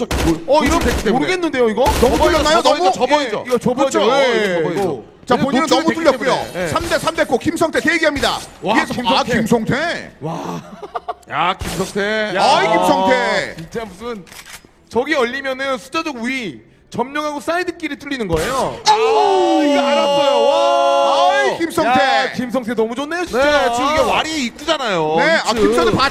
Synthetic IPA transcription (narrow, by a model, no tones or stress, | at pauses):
ʌiɾʌnekʰemoɾɯɡenːɯnde̞joiɡʌnʌutuʎjʌnːajonʌmuoʌbʌid͡ʑoiɡʌʌut͡ɕʰoeʌo | t͡ɕapoɲinɯnnːʌmut̬͈uʎːjʌkujojesʰamde̞sʰamde̞k͈ʰokimsʰʌŋtʰetejeɡiɦamɲida̰iɡeimkimsʰʌŋtʰe̞wa | jakimsʰʌŋtʰejaaikimsʰʌŋtʰeit͡ɕamusɯn | t͡ɕʌɡiʌʎːimjʌnɯnsʰu̥t͡ɕ͈ad͡ʑʌɡui | t͡ɕʌmɲʌŋɦaɡos͈aedɯk͈iɾɯɭt͈ʰuʎːinɯnɡʌejo | aojo | ʌjkimsʰʌŋtʰekimsʰʌŋtʰenʌmud͡ʑonːeoɕʰit͡ɕiɡewaɾieik͈ud͡ʑanajoneakisʰʌŋtʰpa